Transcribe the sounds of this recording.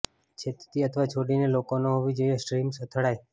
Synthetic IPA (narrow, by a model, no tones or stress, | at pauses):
t͡ʃʰet̪t̪iət̪ʰəʋat͡ʃʰoɽinelokonoɦoʋid͡ʒəiesʈɾimsət̪ʰəɽaj